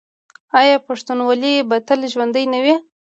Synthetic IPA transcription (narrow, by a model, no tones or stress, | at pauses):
ɑjɑpaʂt̪unwɑlibat̪əlʒwand̪əjnawi